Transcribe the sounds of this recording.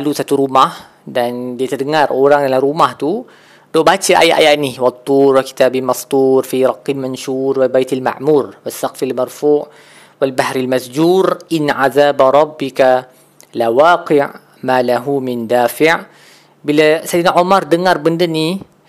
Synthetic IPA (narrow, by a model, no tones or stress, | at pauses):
alusat̪uɾumah | dandiət̪ərdəŋaroɾaŋdalamɾumaht̪u | dɔʔbat͡ʃaʔa̰jaʔa̰jaʔniwat̪ˤːurwaki̥t̪abimasd̪urfiɾɑqːilmanʃurwalbajt̪alma̰ʕmurwasːaqfialmarfuʔ | walbahɾalmasd͡ʒurʔɪnaʕaðaːbaɾˤɑbːika | lawaːqɪʕ | malaɦumɪndaːfɪʕ | biləsajinaʕomardəŋarbəndəni